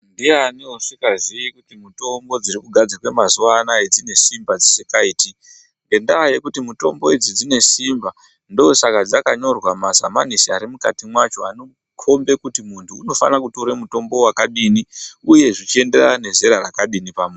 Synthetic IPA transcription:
ndianioʂikazijikutimuto̞mbo̞d͡zirikuɡʱad͡zakwe̞mazuwanaed͡zine̞simbad͡zisikaiːti | ŋɡe̞ndaːje̞kutimuto̞̰mbo̞id͡zid͡zine̞simba | ndoːsakad͡zakaɲo̞rwamaza̰ma̰nisiaɾimuka̰timwat͡ʃo̞ano | kʰo̞mbe̞kutimuntʰuːno̞fa̰nakuto̞ɾemuto̞mbo̞wakaɗiniuje̞ʐit͡ʃie̞nde̞rane̞ze̞ɾarakaɗinipamwe

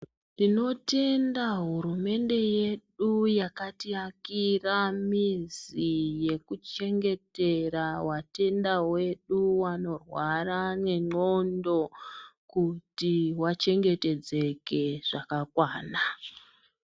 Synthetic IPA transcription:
ndino̞te̞ndaɦuɾume̞nde̞je̞ɗujakatiakiramizije̞kut͡ʃe̞ŋɡe̞te̞ɾawate̞ndawe̞ɗuwano̞rwarane̞ŋ͡ǃo̞ndo̞kutiwat͡ʃe̞ŋɡe̞te̞d͡ze̞ke̞ʐ̥akakwaːna

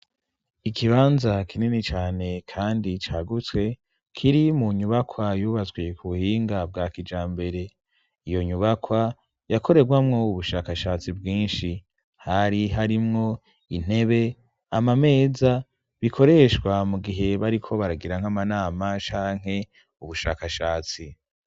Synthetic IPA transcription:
ikʰiβaːnzakʰininit͡ʃaːne̞kʰaːndit͡ʃaɡut͡swe̞ | kʰiɾimuɲuβakʰwajuːβazɡwikuβuhiːŋɡab̚ɡaːkid͡ʒaːmbe̞ɾe̞ | ijo̞ɲuβakwa | jakʰo̞ɾe̞ɡwamŋo̞uβuʃaːkaʃaːt͡sibɡiːnʃi | haɾiɦaɾimŋo̞ | in̥e̞βe̞ | amame̞ːza | βikʰo̞ɾe̞ʃwamuɡiɦe̞βaɾikʰo̞βaɾaɡiɾaŋ̥amanaːmat͡ʃaːŋ̥e̞ | uβuʃa̰ːkaʃaːt͡si

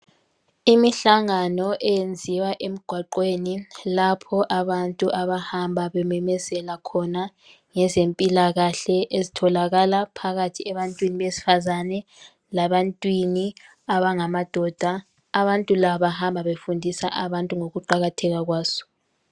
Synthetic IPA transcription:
imiɬaŋanɔʔɛjend͡zʱiwaʔem̩ɡ̥ʱwaǃweːnilapʰɔʔaβantʼuʔaβahambʱaβɛmɛmɛzɛlakʰɔna | ŋɛzempʼilaɣaɬɛʔezitʰɔlaɣalapʰaɣatʰiɛβantʼwiniβesi̥fazanɛ | laβantʼwini | aβaŋamad̥ʱɔd̥ʱaː | βantʼulaβahambʱaβefundʱisa̰ʔaβantʼuŋoɣuǃaɣatʰɛɣaɣwaːsɔ̥

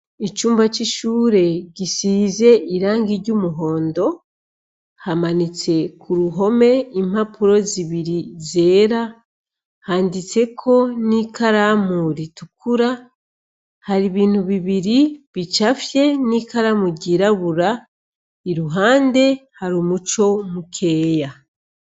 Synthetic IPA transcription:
it͡ʃuːmbat͡ʃiʃuːɾe̞ɟisize̞iɾaːŋɡiɾɟumuɦo̞ːndo̞ | hamanit͡se̞kʰuɾuɦo̞me̞imapʰuɾo̞ziβiɾize̞ːɾa | haːndit͡se̞kʰo̞nikaɾamuɾitukʰuɾa | haɾiβiːn̥uβiβiɾiβit͡ʃafje̞niːkaɾamuɟiɾaβuɾa | iɾuɦaːnde̞haɾumut͡ʃo̞mukʰe̞ːja

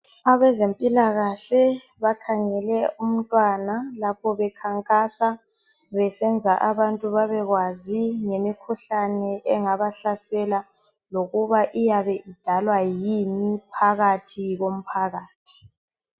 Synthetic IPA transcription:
aβɛzempʼilaɣaɬɛ | βakʰaŋɛlɛʔum̩tʼwanalapʰɔβɛkʰaŋkʼasa | βɛsɛnd͡zʱaʔaβantʼuβaβɛɣwaziŋemikʰuɬanɛʔɛŋaβaɬasɛla | loɣuβaʔijaβɛʔid̥ʱalwajimipʰaɣatʰiɣom̩pʰaɣaːtʰi̥

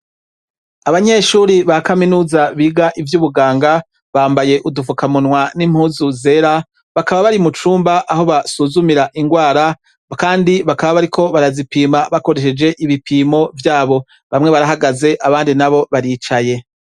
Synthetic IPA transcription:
aβaɲe̞ʃuɾiβakaminuːzaβiːɡaʔivjuːβuɡaːŋɡa | βaːmbaje̞ʔudufukamunwanim̥huːzuze̞ɾa | βakaβaβaɾimut͡ʃuːmbaʔaho̞βasuzumiɾaʔiŋɡwaːɾa | kaːndiβakaβaβaɾikʰo̞βaɾazipiːmaβako̞ɾe̞ʃe̞d͡ʒe̞ʔiβipʰiːmo̞vjaːβo̞ | βamŋe̞βaɾaɦaɡaze̞ʔaβaːndinaβo̞βaɾiːt͡ʃaje̞

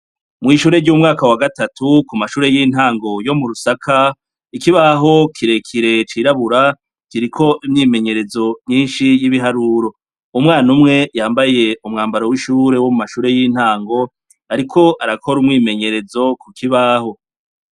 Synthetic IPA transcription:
mŋiːʃuːɾeɾɟumŋaːkawaɡatatukumaʃuːɾe̞jiːn̥haːŋɡo̞jo̞muɾusakʰa | ikiβaɦo̞kʰiɾe̞kʰiɾe̞t͡ʃiɾaβuɾa | kiɾikʰo̞ʔimɲiːme̞ɲe̞ɾe̞zo̞ɲiːnʃijiβiɦaɾuɾo̞ | umŋaːnumŋe̞jaːmbaje̞umŋaːmbaɾowiʃuːɾe̞wo̞mumaʃuːɾe̞jiːn̥haːŋɡo̞ | aɾikʰo̞ʔaɾakʰo̞ɾumŋiːme̞ɲe̞ɾe̞zo̞kukʰiβaho̞

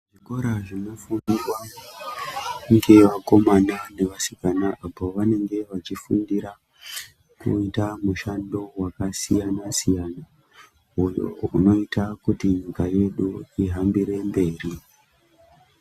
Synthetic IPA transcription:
ʐiko̞ɾaʐino̞funirwa | uŋɡe̞ʋako̞manane̞ʋasi̥kanaʔapo̞ʋane̞ŋɡe̞ʋat͡ʃifundiɾa | kṵitamuʃando̞wakasijanasijana | j̰uno̞itakutiɲikaje̞ɗuiɦambiɾe̞mbe̞ːri

